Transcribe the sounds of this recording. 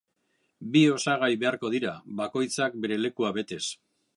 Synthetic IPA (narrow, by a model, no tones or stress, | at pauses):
bio̞saɣ̞ajβe̞aɾko̞ð̞iɾaβako̞jt͡sak̚be̞ɾe̞le̞kuaβe̞t̪e̞s